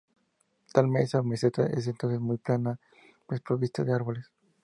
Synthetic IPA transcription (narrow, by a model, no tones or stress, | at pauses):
t̪almesameset̪aʔḛs̬ent̪onsesmujplana | pespɾoβist̪oðeaɾβoles